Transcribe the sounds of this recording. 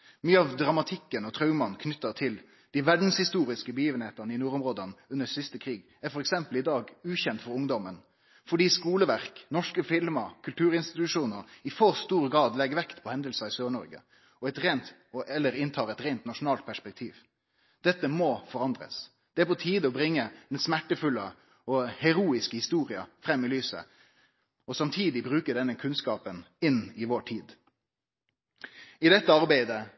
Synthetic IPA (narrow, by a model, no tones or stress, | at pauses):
myːəɑʋd̪ɾɑmɑt̪ʰɪkːənɔt̪ʰɾœʉmɑnkʰnʏt̪ːət̪ʰɪl | d̪̥ɪʋæɖn̩shɪst̪uːɾɪskəbəjiːʋənheːt̪əʁnəɪnuːɾʊmʁoːd̪ənʉnːəsɪst̪əkʰɾiːɡ | æɾfɔɾɛksɛmpəlɪd̪ɑːɡʉːçɛnt̪fɔɾʊŋd̪ɔmən | fɔɖiːskuːləʋæʁknɔʂkəfɪlmɑkʰʉlt̪ʰʉːɾɪnst̪ɪt̪ʉʂuːnəɾɪfɔʁst̪uːɾɡɾɑːd̪lɛɡʋɛkt̪pʰɔhɛnd̪əlsɑɪsøːɳɔɾɡə̰ | ɔɛt̪ɾeːnt̪ | ɔʔɛlːəɾɪnt̪ʰɑːʁɛt̪ɾeːnt̪nɑʂʊnɑːlt̪̚pʰæʂpɛk̚t̪ʰiːʋ | d̪̥ɛt̪ːəmɔfɔɾɑnd̪ʁə̰s | d̪̥ɛæpɔt̪ʰiːd̪əɔbɾɪŋːəd̪̥ɛnsmæʈːəfʉlːə | ɔhɛɾuːɪskəhɪst̪uːɾɪə̰fɾɛmːɪlyːsə̰ | ɔsɑmt̪ʰiːd̪ɪbɾʉːkəɖɛnːəkʰʉnskɑːpənɪnːɪʋoʈʰiːd̪ | ɪd̪ɛt̪ːəɑɾbæɪd̪ə